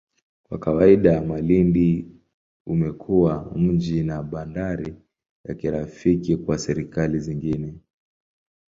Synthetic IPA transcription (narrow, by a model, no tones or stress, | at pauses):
kwa̰kawaiɗamalindi | umɛkʰuwam̩d͡ʒinaɓandaɾi | ja̰kiɾafikikwasɛɾikaliziŋɡinɛ